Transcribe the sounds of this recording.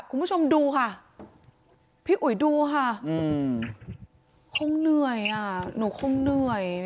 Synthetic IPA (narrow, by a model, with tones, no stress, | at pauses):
kʰu˧˨mbt͡ɕʰo˧mduː˧kʰa˥˩ | pʰiː˧˩ʔu˨˩˦jduː˧kʰa˥˩ɯ˧˩ | kʰo˧˥˨ŋnɯ˧˩əjʔa˧˩nuː˨˩˦kʰo˧˥˧ŋnɯ˧˩əj